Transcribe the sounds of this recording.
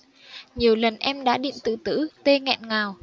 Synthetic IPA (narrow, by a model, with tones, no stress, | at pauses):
ɲi˨˩əwlə˨˩nʔɛ˧mɗa̰ː˧˥ɗḭ˧˨nt̪ɨ̰˧˨t̪ɨ̰˧˥t̪e˧ŋɛ̰˧˨nŋaː˨˩w